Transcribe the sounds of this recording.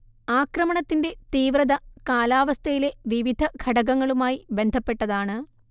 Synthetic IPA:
aːkrɐmɐɳɐt̪ːinde̞t̪iːʋrɐðɐkaːlaːʋɐst̪ʰɐjile̞ʋiʋid̪ʱɐɡʰʱɐɽɐɣɐŋːɐɭumaːjibe̞nd̪ʱɐpːe̞ʈːɐðaːɳɨ

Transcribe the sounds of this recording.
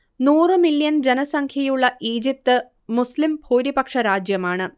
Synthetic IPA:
nuːrɨmiljɐnd͡ʑenɐsɐŋkʰjɐjuɭːɐʔiːd͡ʑip̚t̪ɨ | muslimbʱoːɾipɐkʂɐɾaːd͡ʑjɐmaːɳɨ

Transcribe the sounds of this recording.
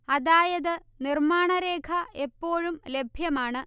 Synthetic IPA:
ɐðaːjɐðɨnirmaːɳɐɾeːkʰɐepːo̞ːɻumle̞bʱjɐmaːɳɨ

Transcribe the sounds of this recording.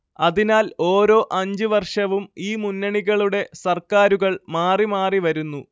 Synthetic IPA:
ɐðinaːlo̞ːɾo̞ːʔɐɲd͡ʑɨʋɐrʂɐʋumiːmunːɐɳiɣɐɭuɽe̞sɐrkaːɾuɣɐɭmaːrimaːriʋɐɾunːu

